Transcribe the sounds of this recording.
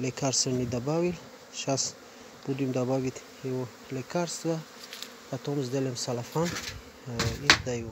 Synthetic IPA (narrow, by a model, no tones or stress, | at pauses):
lekʰaɾsənid̪abawil | ʃas | b̥ud̪imd̪abavit̪ | ewo | lekʰaɾst̪va | pʰat̪ʰɔmzd̪elemsalafan | id̪ajo